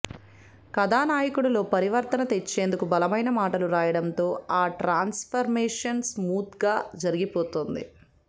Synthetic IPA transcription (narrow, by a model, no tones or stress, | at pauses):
kɐd̪aːnaːjɐkuɽɐlo̞ːpɐɾiʋɐɾt̪ɐnɐt̪et͡ʃːe̞ːnd̪ukubɐlɐmɐjnɐmaːʈɐluɾaːjɐɽɐnt̪o̞ːaːʈɾaːnspʰɐɾmeːʂɐnsmuːt̪ɡaːd͡ʒɐɾiɡipo̞ːt̪ond̪ḭ